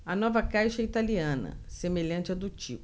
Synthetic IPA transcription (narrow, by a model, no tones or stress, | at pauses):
ɐnɔvɐkajʃɐit̪aliɐ̃nɐ̰semeʎɐ̃t͡ʃɪɛd̪ʊt͡ʃipʊ